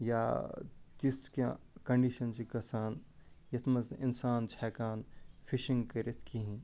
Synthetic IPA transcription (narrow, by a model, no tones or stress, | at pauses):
jaːt̪iskã̰ | kɐ̃ɳɖiːʃɐnt͡ʃikɐsaːnjɐt̪ʰmɐzɪnsaːnt͡ʃʰɛːkaːnfʰiʃĩŋɡkɐɾit̪ʰkiɦĩ